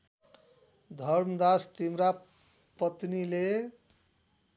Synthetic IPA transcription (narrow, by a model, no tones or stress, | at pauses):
d̪ʱʌɾmd̪ast̪imɾa | pʌt̪nile